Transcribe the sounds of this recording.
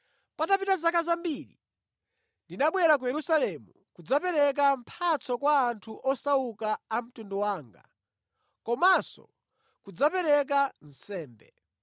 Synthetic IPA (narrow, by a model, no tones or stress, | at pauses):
patapitazakazambiɾi | ndinaɓwɛɾak̬ujɛɾusalɛmu | kud͡zapɛɾɛk̬am̩pʰat͡sɔkwaːntʰuʔɔsaukaːm̩tundɔwaːŋɡa̰ | kɔmasɔ̰ | kud͡zapɛɾɛk̬an̩sɛːmbɛ̰